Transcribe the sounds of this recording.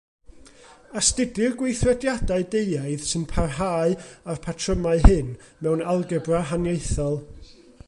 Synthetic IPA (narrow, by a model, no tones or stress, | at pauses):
astɪdɪrɡwejθrɛdjadaɨdejaɨðsɨnpʰarɦaːɨarpʰatʰrəmaɨɦɨn | mɛwnalˠɡəbraɦanjejθɔlˠ